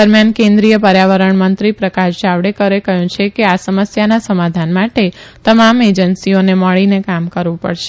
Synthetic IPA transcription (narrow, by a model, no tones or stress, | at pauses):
əɾmjankẽnd̪ɾijəpəɾjaʋəɾəɳmənt̪ɾipɾəkaʃd͡ʒaʋɽekəɾekəɦjũt͡ʃʰekeasəməsjanasəmad̪ʱanmaʈet̪əmamed͡ʒənsioneməɭinekamkəɾʋũpə̰ɽʃe